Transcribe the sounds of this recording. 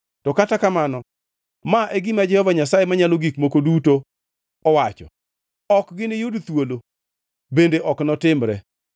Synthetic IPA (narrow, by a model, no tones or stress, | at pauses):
tɔkatakamanɔ | maʔeɡɪmad͡ʒɛhɔvaɲasajemaɲaloɡikmokoduto | ɔwat͡ʃɔ̰ | ɔkɡɪnɪjʊdt̪wolo | bendeʔɔknɔtɪmɾɛ̰